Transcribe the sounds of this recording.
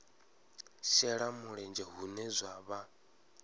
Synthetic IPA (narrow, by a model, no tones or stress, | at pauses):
ʃɛɺamuɺɛnd͡ʒɛɦunɛzʷaβa